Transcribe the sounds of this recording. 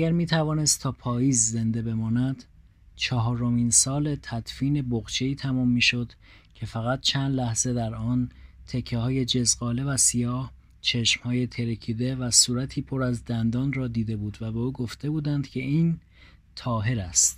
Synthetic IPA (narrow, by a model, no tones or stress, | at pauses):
æɡæɾmiːt̪ʰævɒːne̞st̪t̪ːʰɒːpʰɒːjiːzze̞nd̪e̞be̞mɒːnæd̪̥ | t͡ʃʰɒɦɒːɾomiːnsɒːle̞t̪ʰæd̪fiːne̞boɣt͡ʃʰe̞iːt̪ʰæmɔːmːiːʃo̞d̪̥ | cʲʰe̞fæɣæt̪̚t͡ʃʰænd̪læhz̥e̞d̪æɾɒːnt̪ʰe̞cʰːehɒːje̞d͡ʒe̞zɢɒːle̞væsijɒːh | t͡ʃʰe̞ʃmhɒːje̞t̪ʰe̞ɾecʰiːd̪e̞væsuːɾæt̪ʰiːpʰo̞ɾæzd̪ænd̪ɒːnrɒːd̪iːd̪e̞buːd̪væbe̞uːɡo̞ft̪e̞buːd̪ænd̪̥cʲʰe̞iːn | t̪ʰɒːɦe̞ɾæst̪